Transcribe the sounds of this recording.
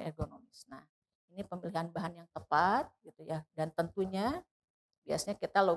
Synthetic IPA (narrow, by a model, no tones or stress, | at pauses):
ḛɡonomɪsna̰h | inipəmiliɦanbaɦanjaŋt̪əpat̪̚ɡit̪ujadant̪ənt̪uɲa | bia̰sɲakit̪alo